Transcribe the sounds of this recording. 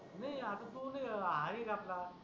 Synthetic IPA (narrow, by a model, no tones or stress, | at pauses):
nəiat̪at̪unəaɦajekapla